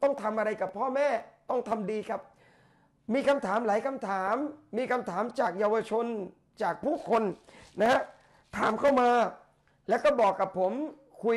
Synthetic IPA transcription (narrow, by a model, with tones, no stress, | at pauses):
t̪ɔ˥˩ŋt̪ʰa˧mʔa˧ɾa˧jka˨˩pʰːɔː˥˩mɛː˥˩t̪ɔ˥˩ŋt̪ʰa˧mdiː˧kʰa˦˥p̚ | miː˧kʰa˧mt̪ʰaː˩˦mlaː˨˩˦jkʰa˧mt̪ʰaː˩˦mːiː˧kʰa˧mt̪ʰaː˩˦mt͡ɕaː˨˩k̚jaː˧wa˧t͡ɕʰo˧n | t͡ɕaː˨˩k̚pʰuː˥˩kʰo˧nna˦ɦa˦˥ | t̪ʰaː˩˦mkʰa˥˩wmaː˧ | lɛː˦˥wkɔː˥˩bɔː˨˩kːa˨˩pʰːo˩˦m | kʰu˧